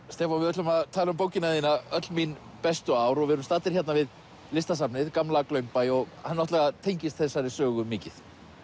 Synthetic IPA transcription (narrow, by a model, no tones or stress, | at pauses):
st̪ɛːfɔnvɪðʏt̪lʏmaðt̪ʰaːlʏmpowcɪnainaœt̪lmin | pɛst̪ʏaːwɾɔɣvɛɾʏmst̪aːt̪ɪɾ̥çɛt̪navɪð | lɪst̪asapnɪðkamlaklœɥmpajɔɣhanːɔt̪lɛɣat̪ʰejɲcɪst̪θɛsːaɾɪsœːɣʏmɪːcɪθ